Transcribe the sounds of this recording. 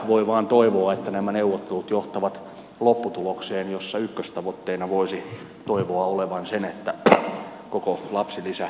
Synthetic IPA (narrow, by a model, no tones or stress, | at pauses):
ʋoiʋɑːnt̪oiʋoɑet̪ːænæmæneuʋːot̪ːelut̪joht̪ɑʋɑt̪ | lopːut̪ulokseːnjosːɑykːøst̪ɑʋot̪ːeinɑʋoisi | t̪oiʋoɑoleʋɑnsenet̪ːæ | kokolɑpsilisæ